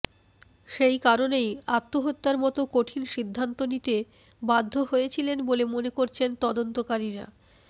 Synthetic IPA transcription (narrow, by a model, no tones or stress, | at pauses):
ʃejkaɾonejat̪ːoɦot̪ːaɾmɔt̪okoʈʰinʃid̪ʱːant̪onit̪e | bad̪ʱːoɦojet͡ɕʰilenbolemonekoɾt͡ɕʰent̪ɔd̪ont̪okaɾiɾa̰